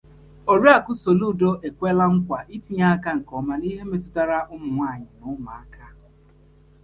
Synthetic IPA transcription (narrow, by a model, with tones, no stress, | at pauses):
o˨ɾi˦a˨kʊ˦so˨lu˦˨do˦ʔe˨kʷe˦la˦ŋ̩˦kʷa˨ʔi˦ti˦ɲa˦a˦ka˦ŋ̩˨kɔ˨ma˨ni˦ɦe˦me˦tʊ˦ta˦ɾa˦ʔʊ˦mʊ˨ŋʷa˦˨ɲɪ˨nʊ˦ma˨a˦ka˦